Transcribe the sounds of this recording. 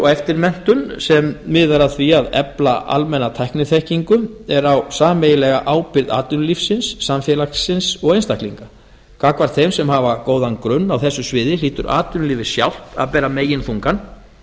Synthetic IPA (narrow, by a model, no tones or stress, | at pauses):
ɔɣɛft̪ɪɾmɛn̥t̪ʏnsɛmːɪːðaɾaðθviaðɛ̰plaʔa̰lmɛnːat̪ʰajknɪθɛhciŋkʏɛɾawsaːmejɪlɛɣaʔaːwpɪɾða̰ːt̪ʏnlifsɪnsːamfjɛːlaksɪnsɔɣejnst̪ajhkliŋka | kʰaːkvaɾ̥t̪θejmsɛmhaːvakoːwðankɾʏnːawθɛsːʏsvɪːðɪliːt̪ʏ̰ɾa̰ːt̪ʏnlɪvɪ̥sja̰wl̥t̪a̰ðpɛːɾameːjɪnθuŋkan